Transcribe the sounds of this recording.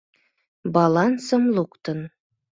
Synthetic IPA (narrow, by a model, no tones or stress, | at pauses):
bɑlˠɑnsɤ̆mlˠukt̪ɤ̆n